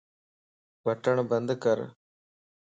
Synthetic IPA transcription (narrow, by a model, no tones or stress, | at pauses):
bɐʈːɐɳbɐnd̪ɨkɐɾ